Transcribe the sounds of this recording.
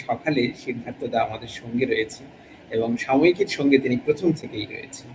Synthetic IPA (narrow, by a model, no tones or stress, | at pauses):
ʃɔkʰaleʃiɾd̪ʱant̪od̪aamad̪eɾʃɔŋɡeɾɔjet͡ɕʰen | eboŋʃamoikiɾʃɔŋɡet̪inipɾot̪ʰomt̪ʰekejɾo̰jḛt͡ɕʰen